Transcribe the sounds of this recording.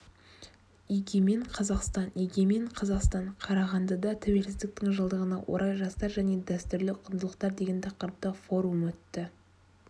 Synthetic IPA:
iɡʲe̞me̞ɴqʰɑzɑqst̪ɑniɡʲe̞meɴqʰɑzɑqst̪ɑɴqʰɑɾɑʁɑnd̪ɑd̪ɑt̪ʰæwe̞lsɪzd̪ɪk̚t̪ɪŋʒəlˠd̪əʁənɑ̰wʔo̞̰ɾʔɑjʒɑst̪ɑɾʒæne̞d̪æst̪ʏɾlɪqʰʊnd̪əlˠəqt̪ɑɾd̪e̞ɡʲe̞nt̪ʰɑqəɾəp̚t̪əfo̞ɾumɵt̪ːɪ

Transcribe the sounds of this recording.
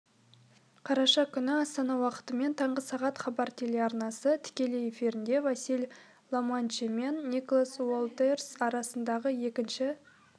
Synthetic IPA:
qʰɑɾɑʃɑkʲʰʏnɪɑst̪ɑnɑwɑqə̥t̪əme̞nt̪ʰɑɴʁəsɑʁɑt̪χɑbɑɾt̪ʰeleɑɾnɑsət̪ʰɪ̥kʲe̞leje̞fiɾɪnd̪e̞vɑsilʲ | lˠomant͡ʃime̞nːikolˠaswolˠt̪ersɑɾɑsənd̪ɑʁəje̞kʲɪnʃɪ

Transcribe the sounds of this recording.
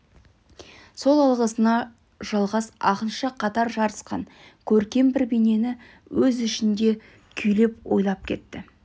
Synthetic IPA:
so̞lˠɑlˠʁəsənɑ | ʒ̥ɑlˠʁɑsɑqənʃəqʰɑt̪ɑɾʒɑɾəsqɑ̰ŋ | kʲʰɵɾkʲe̞mbɪɾbene̞nɪ | wɵzɪʃɪnd̪e̞ | kʲʰʏjle̞pwo̞̰jlˠɑp̚kʲʰe̞̰t̪ːɪ

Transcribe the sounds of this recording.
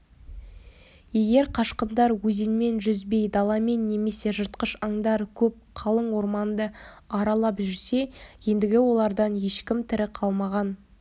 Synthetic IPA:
je̞ɡʲe̞ɾqʰɑʃqənd̪ɑɾwɵzenme̞nʒʏzbe̞jd̪ɑlˠɑme̞nːe̞me̞se̞ʒəɾt̪qəʃɑŋd̪ɑɾkʲʰɵp̚qʰɑlˠəɴwo̞ɾmɑnd̪əɑɾɑlˠɑpʒʏɾse̞je̞nd̪ɪɡʲɪwo̞lˠɑɾd̪ɑnje̞ʃkʲɪmt̪ʰɪɾɪqʰɑlˠmɑʁɑn

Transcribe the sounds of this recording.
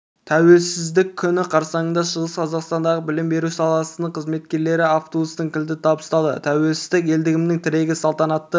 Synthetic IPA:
t̪ʰæwe̞lsɪzd̪ɪkʲʰːʏnɪqʰɑɾsɑɴənd̪ɑʃəʁəsqʰɑzɑqst̪ɑnd̪ɑʁəbɪlɪmbe̞ɾusɑlˠɑsənəɴqʰəzme̞t̪kʲe̞ɾle̞ɾɪaft̪obust̪əɴkʲʰɪld̪ɪt̪ʰɑbəst̪ɑd̪ə̰t̪ʰæwe̞lsɪzd̪ɪk̬ʲe̞ld̪ɪɡʲɪmnɪŋt̪ʰɪɾe̞ɡʲɪsɑlˠt̪ɑnɑt̪ːə

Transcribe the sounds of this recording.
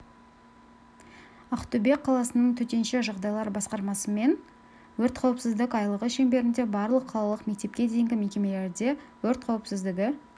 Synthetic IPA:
ɑqt̪ʊbe̞kqʰːɑlˠɑsənəɴt̪ʰɵt̪e̞nʃeʒɑʁd̪ɑjlˠɑɾbɑsqɑɾmɑsəme̞n | wɵɾt̪qʰɑwəpsɪzd̪ɪkɑjlˠəʁəʃe̞mbe̞ɾɪnd̪e̞bɑɾlˠəqʰːɑlˠɑlˠəqme̞k̚t̪e̞p̚kʲe̞d̪e̞jɪŋɡʲɪme̞kʲe̞me̞le̞ɾd̪e̞wɵɾt̪qʰɑwəpsɪzd̪ɪɡʲɪ

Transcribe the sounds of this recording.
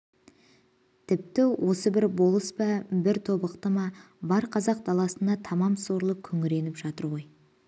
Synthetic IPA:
t̪ʰɪp̚t̪ɪwʔo̞səbɪɾbo̞lˠəspɑbɪɾt̪ʰo̞bəqt̪əmɑ | bɑɾqʰɑzɑq̚d̪ɑlˠɑsənd̪ɑt̪ʰɑmɑmso̞ɾlˠəkʲʰɵŋɪɾe̞nɪpʒ̥ɑt̪əɾʁo̞j

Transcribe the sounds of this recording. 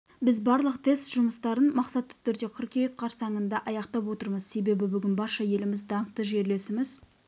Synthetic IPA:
bɪzbɑɾlˠəqt̪ʰe̞st̪ʒ̥ʊməst̪ɑɾənmɑqsɑt̪ːɪ̥t̪ʰʏɾd̪e̞kʲʰʊɾkʲejk̚qʰːɑɾsɑŋənd̪ɑʔɑjɑqt̪ɑpwo̞t̪əɾməzse̞be̞bɪbʏɡʲɪnbɑɾʃɑje̞lɪmɪzd̪ɑɴt̪əʒe̞ɾle̞sɪmɪz

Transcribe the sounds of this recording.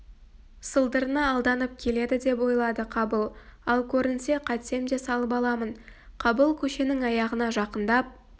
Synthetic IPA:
səlˠd̪əɾənɑːlˠd̪ɑnəp̚kʲʰe̞le̞d̪ɪd̪e̞pwo̞jlˠɑd̪əqʰɑbəlˠɑlˠkʲʰɵɾɪnse̞qʰɑt̪se̞md̪esɑlˠəpɑlˠɑmənqʰɑbəlˠkʲʰɵʃe̞nɪŋɑjɑʁənɑʒɑqənd̪ɑp̚

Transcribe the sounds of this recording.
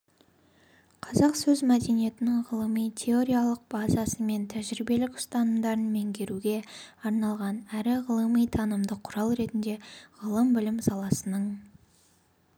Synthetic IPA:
qʰɑzɑqsɵzmæd̪e̞nije̞t̪ɪnɪŋʁəlˠəmijt̪ʲʰe̞o̞ɾʲijalˠəq̚b̥ɑzɑsəme̞nt̪ʰæʒɾibe̞lɪkʊ̥st̪ɑnəmd̪ɑɾənme̞ŋkʲʰe̞ɾuɡʲe̞ɑɾnɑlˠʁɑnæɾɪʁəlˠəmijt̪ʰɑnəmd̪əqʰʊɾɑlˠɾe̞t̪ɪnd̪e̞ʁəlˠəmbɪlɪmsɑlˠɑsənəɴ

